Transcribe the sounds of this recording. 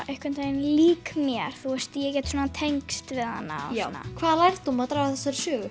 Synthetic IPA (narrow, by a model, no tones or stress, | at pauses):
ʔɛhkvʏnt̪anliːkmjɛɾ̥θuɛst̪jɛk̬ɛːt̪swɔːnat̪ʰejŋkst̪vɪðha̰nːa̰aɔnːa̰kʰvaːðlajɾt̪umaðt̪ɾajvaθɛsaɾsʏːɣʏ